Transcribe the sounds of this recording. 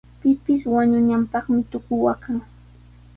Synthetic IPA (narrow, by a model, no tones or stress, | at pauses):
pɪpɪswaɲʊɲampɑχmɪt̪ʊkʊwakaŋ